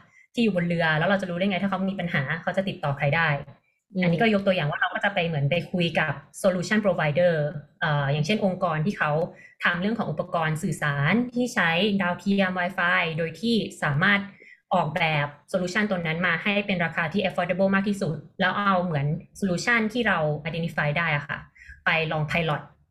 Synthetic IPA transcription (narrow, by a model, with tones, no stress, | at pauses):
t̪ʰiː˥˩juː˨˩bo˧nɾɯ˧ɐlɛː˦˥wɾa˧wt͡ɕa˨˩ɾu˦˥a˥˩jŋa˧˥t̪ʰa˥˩a˦˥miː˧pa˧nɦaː˩˦kʰa˦˥wt͡ɕa˨˩t̪i˨˩t̪ːɔː˨˩kʰɾa˧jdaː˥˩j | ʔa˧nːiː˦˥kɔː˥˩jo˥k̚t̪əjaː˨˩ŋwaː˥˩ɾa˦˥wkɔː˥˩t͡ɕa˨˩pa˧jmɯ˩˦ənpa˧jkʰu˧jka˨˩p̚soː˧luː˧˥t͡ɕʰa˥˩npɾoː˧wa˧jdɤː˥˩ʔəː˨˩jaː˨˩ŋt͡ɕʰe˥˩nʔo˧ŋkɔː˧nt̪ʰiː˥˩kʰa˦˥w | t̪ʰa˧mɾɯ˥˩kʰɔː˩˦ŋʔu˨˩pːa˧kɔː˧nsɯː˨˩saː˩˦nt̪ʰiː˥˩t͡ɕʰa˦˥jdaː˧wkʰi˧˥mwaː˧jfaː˧jdoː˧jt̪ʰiː˥˩saː˨˩˦maː˥˩t̪̚ʔɔː˨˩k̚bɛː˨˩p̚soː˧luː˧˥t͡ɕʰa˥˩nt̪o˧nːa˦˥nmaː˧ha˥˩jpe˧nɾaː˧kʰaː˧t̪ʰiː˥˩ʔa˧˥fʰɔː˧˥de˧bɤː˥˩maː˥˩k̚t̪ʰiː˥˩su˨˩t̪̚lɛː˦˥wʔa˧wmɯ˩˦ənsoː˧luː˧˥t͡ɕʰa˥˩nt̪ʰiː˥˩ɾa˧wʔa˧jde˧nt̪i˦˥faː˧jdaː˥˩jʔa˨˩kʰa̰˥˩pa˧jlɔː˧ŋt̪ʰa˧jlɔ˨˩t̪̚